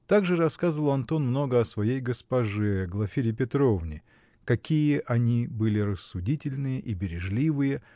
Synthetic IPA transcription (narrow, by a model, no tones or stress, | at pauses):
t̪aɡʐɨrɐskazəvəlˠɐnt̪o̞nmno̞ɡəɐsvɐjejɡəspɐʐɛɡlˠɐfʲiɾʲɪp̬ʲɪt̪ɾo̞vnʲɪ | kɐkʲijəʔɐnʲibɨlʲɪɾəsːʊdʲitʲɪlʲnɨjəʔibʲɪɾʲɪʐlʲivɨjə